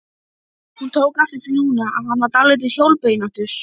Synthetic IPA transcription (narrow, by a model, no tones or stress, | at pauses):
hunt̪ʰoːwkaft̪ɪt̪ʰinuːnaahanvaɾt̪alet̪̬ɪçjowlpejnan̥t̪ʏɾ̥